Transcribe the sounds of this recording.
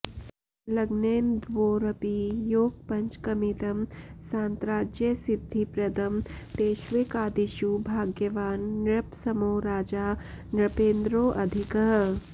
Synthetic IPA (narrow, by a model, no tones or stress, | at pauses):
lɐɡneːnd̪ʋoːɾɐpijoːɡ̚pɐɲt͡ʃkɐmit̪ɐmsãːnt̪ɾaːd͡ʒjəsɪd̪ʱːipɾɐd̪ɐmt̪eːʃʋikaːd̪iʃubʱaːɡjɐʋaːnːɾɐpsɐmoːɾaːd͡ʒaː | nɾɐpeːnd̪ɾoːʔɐd̪ʱikəɦ